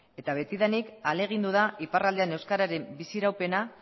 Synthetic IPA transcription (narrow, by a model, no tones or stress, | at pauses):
e̞t̪aβ̞e̞t̪iðanikale̞ɣ̞ind̪uð̞aʔiparald̪eane̞wskaɾaɾe̞mbisiɾawpe̞na